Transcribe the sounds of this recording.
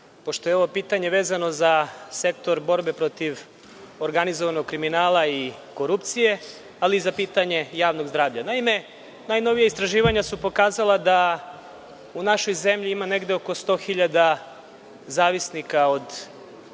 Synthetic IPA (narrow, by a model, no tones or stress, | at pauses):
po̞ʃt̪o̞jeo̞ʋopiːt̪aɲe̞ʋe̞ːzano̞zase̞k̚t̪o̞ɾbo̞ɾbe̞pɾo̞t̪iʋ | oɾɡanizoʋanoɡ̚kɾiminaːlaiko̞ɾupt̪sije̞ | aliːzapiːt̪aɲe̞jaːʋno̞ɡzd̪ɾaːʋʎanaime̞ | naːjno̞ʋijaist̪ɾaʒiːʋaɲasupo̞kaːzalˠad̪a | unaʃo̞jze̞mʎiimane̞ɡd̪eoko̞st̪o̞ːxiʎad̪a | zaːʋisnikao̞d̪